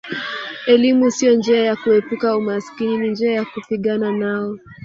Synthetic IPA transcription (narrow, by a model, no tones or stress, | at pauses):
ɛlimusijɔnd͡ʒɛajakuɛpukaumaskininind͡ʒɛajakupiɠananaɔ